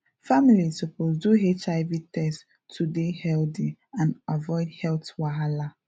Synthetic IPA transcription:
familizsupozduɦet͡ʃaɪvitɛst | tʰudehɛldiãnavɔɪdhɛltwaɦala

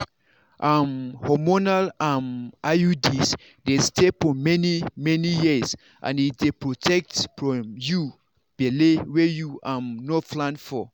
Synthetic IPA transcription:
ʔamhɔmɔnalãnʔajudis | destefɔmɛnimɛnijiz | ʔã̰nitdepɹotʰɛk̚tfɹɔ̃mju | b̥ɛlewɛjuamnoflãnfɔ

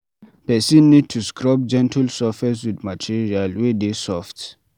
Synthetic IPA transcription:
pɛsĩnːid̚tʰuskɹɔp̚d͡ʒɛ̃ntʰalsɔfɛs̬widmatʰiɹialwedesɔft

